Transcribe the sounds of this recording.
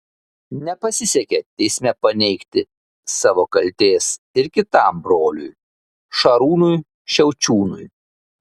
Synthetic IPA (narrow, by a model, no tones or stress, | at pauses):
nʲɛpɐsʲɪsʲɛkʲɛt̪ʲɛɪsʲmʲɛpɐnʲɛɪkt̪ʲɪ | sɑːʋoːkɐlʲt̪ʲeːs | ɪɾkʲɪt̪ɑˑmbɾoːlʲʊj | ʃɐɾuːnʊj | ʃʲɛʊt͡ʃʲuːnʊj